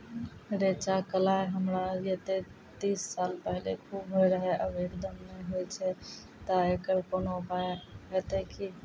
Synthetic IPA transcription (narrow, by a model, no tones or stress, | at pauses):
ɾet͡ʃakəlaɦəmɾad͡ʒet̪e | t̪iːsːaːlpəɦɪlekʰubɦojɾəɦɛʔəbeɾd̪əmːeɦojt͡ʃʰɛ | t̪əekəɾkoːnobaɦet̪eki